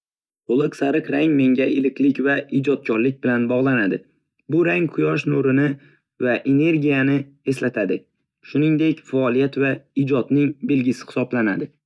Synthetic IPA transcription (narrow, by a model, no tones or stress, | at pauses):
qolˠɨqsaɾɨqɾaŋme̞ŋɡʲaɪlɪklɪkʲvaid͡ʒɒt̪̚kʰʲɒɾlɪk̚ʲbɪlanbɒʁlˠanad̪ɪ | bʊɾaŋqʰʊjɒʃnoɾɪnɪ | vaʔe̞ne̞ɾɡʲijanɪ | e̞slat̪ʰad̪ɪ | ʃʊnɪŋd̪e̞kʲfaːlˠijat̪vaid͡ʒɒt̪nɪŋbelɡʲɪsɪ̥hɪ̥sɒblanad̪ɪ